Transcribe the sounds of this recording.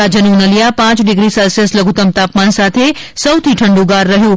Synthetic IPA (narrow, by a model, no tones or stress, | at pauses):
ad͡ʒənũnəlijapãt͡ʃɖɪɡɾisalsesləɡʱut̪əmt̪apmansat̪ʰesəwt̪ʰiʈʰəɳɖũɡaɾːəɦjũ